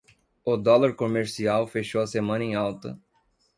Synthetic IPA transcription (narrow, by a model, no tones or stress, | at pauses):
ʊd̪ɔlaɾkomeɾsiawfeʃowɐsemɐ̃nɐẽj̃awt̪ɐ̰